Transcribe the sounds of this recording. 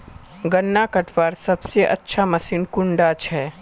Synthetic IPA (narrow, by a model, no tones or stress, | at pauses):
ɡɐnːakɐʈʰʋaːɾsɐbseʔɐ̰tːʃʰamɐsiːnkʊɳɖat͡ʃʰɛː